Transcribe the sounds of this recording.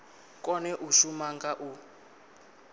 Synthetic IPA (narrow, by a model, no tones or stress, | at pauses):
kʼɔnɛʔuʃumaŋɡaʔu